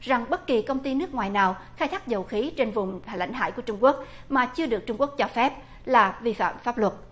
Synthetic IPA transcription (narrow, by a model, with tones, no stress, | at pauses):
za˨˩ŋɓə˦˥t̚ki˨˩kə˧wŋ͡mt̪i˧nɨ˦˥ək̚ŋwaː˨˩jnaː˨˩wxaː˧jt̪ʰaː˦˥k̚zə˨˩wxi˨˦t͡ɕe˧nvʊ˨˩ŋ͡maː˧˩jla̰˧˨jŋ̟ɦa̰ː˧˨jku˧˩ət͡ɕʊ˧ŋ͡mku˦˥ək̚ | maː˨˩t͡ɕɨ˧əɗɨ˨˩ək̚t͡ɕʊ˧ŋ͡mku˦˥ək̚t͡ɕɔ˧fɛ˦˥p̚ | laː˨˩vi˧fa̰ː˧˨mfaː˦˥p̚lwə˨˩t̚